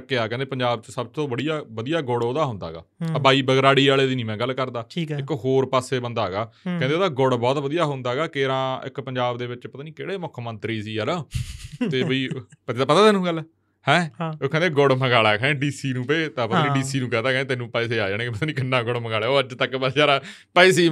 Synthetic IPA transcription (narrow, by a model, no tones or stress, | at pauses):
kːeːaːkɛ̃nd̪eːpəɲd͡ʒaːb̚t͡ʃəsəbt̪õːbəɽijaːʋəd̪ijaːɡʊɽoːd̪aːɦʊ̃nd̪a̰ːɡa̰ːbaːiːbəɡɾaːɽiːaːɭeːd̪iːnĩːmɛ̃ːɡəlːkəɾd̪aːʈʰiːkɪkɦoːɾpaːseːbənd̪aːɦɡaːkɛ̃ːneːd̪aːɡʊɽbɔːt̪ʋəd̪ijaːɦʊ̃nd̪aːɡaːkeːɾãːɪ̰kpəɲd͡ʒaːbd̪eːʋɪt͡ʃpət̪aːnĩːkḛːɽeːmʊkʰmənt̪ɾiːsiːɛnət̪eːbiːp̪ːapət̪aːt̪eːnũːɡəlɛ | hɛ̃ːoːkɛ̃ːd̪eɡʊɽməɡaːɭaːkʰɛ̃ɖiːsiːnũːpeːt̪ãːpət̪aːnĩɖiːsiːnũːkɛ̃ːd̪aːkɛːeːt̪eːnũːpɛːseːaːd͡ʒaːɽ̃eːkːpət̪aːnĩːkɪnːãːɡʊɽməɡaːleːoːət͡ʃt̪əkpəaːɾaː | pɛːs̬iː